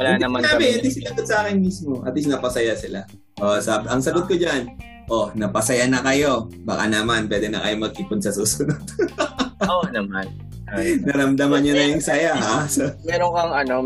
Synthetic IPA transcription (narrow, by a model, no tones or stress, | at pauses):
wɐlaɪnɐmɐaːbɪɪnd̪isɪlɐɡot̪̚sɐʔaːkɪnmiːsmo̞ʔɐ̰t̪lis̬nɐpɐsɐjasɪla | ʔosɐbɐŋsɐɡot̪̚kod͡ʒan | ʔonɐpɐsɐjanɐkɐjo̞ba̰ːka̰nɐmanpwɛːd̪ɛnɐ̰kɐjo̞mɐɡ̚kiːpʊnsɐsuːsʊnod̪̥̚ | onɐman | nɐɾɐmd̪ɐmɐnːonɐjʊŋsɐjahasɐmɛɾoŋkɐŋɐno